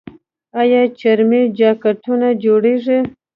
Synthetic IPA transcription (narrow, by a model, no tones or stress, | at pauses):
ajɑt͡ʃaɾmed͡ʒɑkaʈʰunad͡ʒoɽeʐi